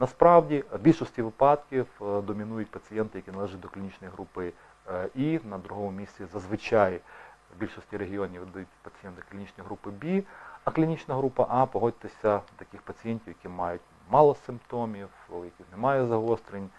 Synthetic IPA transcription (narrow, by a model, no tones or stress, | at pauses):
nɐspɾɑwdʲibʲilʲʃɔsʲtʲiʋɪpɑd̪kʲiwd̪ɔmʲɪnujʊt̚ʲpɐt͡sʲɪjɛnt̪ɪjɐkʲinɐlˠɛʒɪt̚ʲd̪ɔklʲinʲit͡ʃnɔjɦɾupɪ | inɐd̪ɾʊɦɔmʊmʲisʲt͡sʲizɐzʋɪt͡ʃɑjbʲilʲʃɔsʲtʲiɾeɦʲɪɔnʲiʋd̪ɐjutʲpɐt͡sʲɪjɛnt̪ɪklʲinʲit͡ʃnɔjɦɾupɪbʲiɐklʲinʲit͡ʃnɐɦɾupɐ̰ʔɑpɔɦɔd̚ʲt̪esʲɐt̪ɐkʲixpɐt͡sʲɪjɛnʲtʲiʋwjɐkʲimɑjʊtʲ | mɑlˠɔsɪmpt̪omʲiwjɐkʲixnɛmɑjɛzɐɦɔst̪ɾenʲ